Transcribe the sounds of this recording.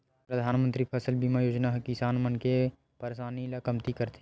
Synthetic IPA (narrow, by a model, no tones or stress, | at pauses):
pɾɐd̪ʱaːnmə̃nt̪ɾipʰɐsəlbimajoːd͡ʒnaɦkɪsaːnmɐnke | pɐɾeʃaːnilakəmt̪ikɐɾt̪e